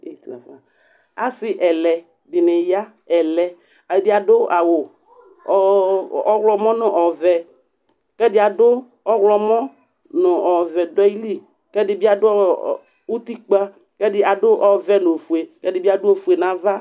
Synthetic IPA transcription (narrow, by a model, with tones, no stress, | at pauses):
e˨t̪a̰˨va˨ | a˨sɪ˨ʔɛ˨lɛ˨ | ɖɪ˨nɪ̃˨ja˦ | ɛ˨lɛ˨ | a˨bɪ˦a˨dʊ˦a˨wo˨˦ | ɔ˦ɣlɔ˦mɔ̃˦nʊ̃˨ʔɔ˨vɛ˨ | kɛ˦dɪ˦a˨dʊ˦ | ɔ˦ɣlɔ˨mɔ̃˦ | nʊ̃˨ʔɔ˨vɛ˨dɔ˦i˦li˦ | kɛ˦dɪ˦bi˦a˨dʊ˦ | wo˦t̪i˦k͡pa˦ | kɛ˦dɪ˦ʔa˨dʊ˦ʔɔ˨vɛ˦nõ˨fu˨e˨kɛ˦dɪ˦bi˦a˦dʊ˦o˨fu˨e˨nã˨va˦